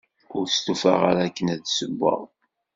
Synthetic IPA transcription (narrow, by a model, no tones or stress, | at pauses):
ʊɾst̪ufa̰ʁaɾakːənæðsəbːə̰ðˤ